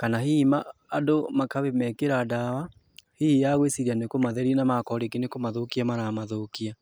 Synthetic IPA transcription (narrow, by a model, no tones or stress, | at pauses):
kanaɦimaːdomakaβemɛkeɾadawa | hijaɣwesiɾianekomaðɛɾinamakɔɾekenekomaðokiamaɾamaðokia